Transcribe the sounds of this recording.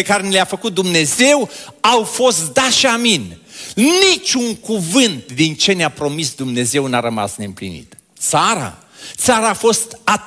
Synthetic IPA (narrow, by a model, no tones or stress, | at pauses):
ekaɾe̞nileafəkut̪̚d̪umne̞ze̞wawfo̞st̪̚d̪aʃiaminnit͡ʃʲuŋkuvɨnt̪̚d̪int͡ʃe̞neapɾo̞misd̪umne̞ze̞wnaɾəma̰sne̞mplḭnḭt̪ | t̪saɾa̰ | t̪saɾaːfo̞st̪a